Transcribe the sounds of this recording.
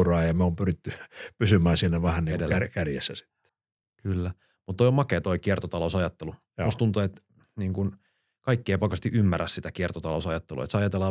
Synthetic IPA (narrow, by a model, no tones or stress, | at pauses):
rɑːjɑmæoːmpyrit̪ːypysymæːnsinːæʋæhænniŋedelːkærjḛsːæsi̥t̪ːe̥ | kylːæ | mut̪ːoijomɑkeːt̪oikiert̪ot̪ɑlousɑjɑt̪ːelu | ust̪unt̪uet̪ | niːŋkun | kɑikːieːpɑkɑst̪iʔymːæræssit̪ækiert̪ot̪ɑlo̰usɑjɑt̪ːelṵḛt̪seɑjɑt̪elːɑː